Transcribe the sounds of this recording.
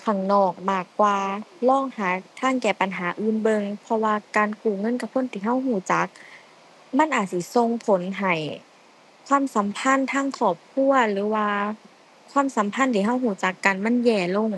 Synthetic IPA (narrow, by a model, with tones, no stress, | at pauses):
kʰa˧˩ŋnɔː˧˨˩k̚maː˧˩kːwaː˧lɔː˧˥˨ŋhaː˨˦t̪ʰaː˧˥˨ŋkɛː˨˩pa˨nɦaː˨˩˦ʔɯː˧˥˨nbɤ˧ŋpʰɔ˧waː˧kaː˨nkuː˨˩ŋɤ˧˥˨nka˧p̚ʰo˧˥˨nt̪ʰiː˧˩ɦa˧˥˩wɦuː˨˧˩t͡ɕa˨˦k̚ | ma˧˥˨nʔaː˨˩t̪̚si˧˩˦so˧ŋpʰo˨˦nɦa˨˩j | kʰwaː˧˥˨msa˨˦mpʰa˧˥˨nt̪ʰaː˧˥˨ŋkʰɔː˧˨˩p̚kʰu˧˥˨ɐlɯː˨˦waː˧ | kʰwaː˧˥˨msa˨˦mpʰa˧˥nt̪ʰiː˧˩˨ɦa˧˩wɦuː˧˩˦t͡ɕa˨˦kːa˨nma˧˥˨njɛː˧˩lo˧˩˨ŋ